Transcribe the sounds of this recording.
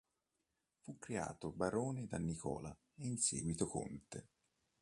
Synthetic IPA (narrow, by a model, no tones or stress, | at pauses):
fukːɾea̰ːt̪obaɾoːned̪anːikɔ̰ːla | einsḛːɡwit̪oko̰nt̪e